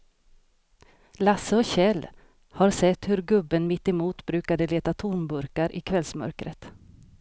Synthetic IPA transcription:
lasəɔɕɛlː | haɾsɛt̪ːhɵɾɡɵbːənmɪt̪ːɪmuːt̪bɾʉ̟ːkad̪əleːt̪at̪ʰʊɾmbɵɾkaɾʔɪ̰kʰvɛlsmœ̰ɾkɾə̰t̪

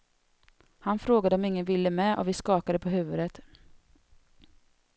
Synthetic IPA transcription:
hanfɾoːɡad̪əɔmɪŋːənvɪlːəmɛːʔɔ̰vɪskɑːkad̪əpʰɔɦʉ̟ːvɵd̪ət̪

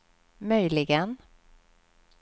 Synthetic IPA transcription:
mœjlɪɡən

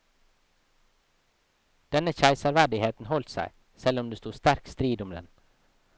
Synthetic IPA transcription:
d̪̥ɛnəçæɪsəɾʋæɖɪheːt̪n̩hɔlt̪sæ̰ɪ | sɛlʊmd̪eːst̪uːst̪æɾkst̪ɾiːd̪ʊmd̪ɛ̰n

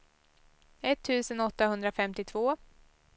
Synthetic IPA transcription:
ɛt̪ʰːʉ̟ːsənɔt̪ːaɦɵnd̪ɾafɛmt̪ɪt̪ʰvoː

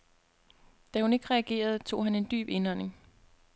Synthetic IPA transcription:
d̥æhune̝ɡ̥əʁɛæɡ̥e̝̰ːɐð̞ˠt͡sʰo̝̰ːɦæne̝nd̥y̰ːb̥e̝nɒne̝ŋ

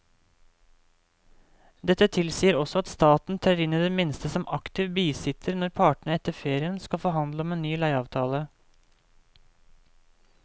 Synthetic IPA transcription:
d̪ɛt̪ːət̪ʰɪlsiːəɾɔsɔɑt̪st̪ɑːt̪n̩t̪ʰæːɾɪnəd̪eːmɪnst̪əsɔmʔɑkt̪ɪʋbiːsɪt̪ʰəɾnɔɾpʰɑːʈɳ̩əɛt̪ːəɾfeːɾɪənskɑfoːhɑnd̪ləɔmeːnyːlæɪɑːʋt̪ʰɑːlə

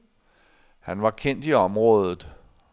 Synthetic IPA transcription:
hænʋɑ̈kʰen̰d̥iɒ̽mʁɔ̽ːð̞ˠð̩ˠ

